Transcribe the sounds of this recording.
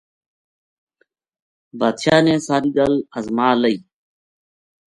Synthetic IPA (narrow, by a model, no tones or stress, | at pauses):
baːd̪ʃaːnẽːsaːɾiːɡələzmaːləiː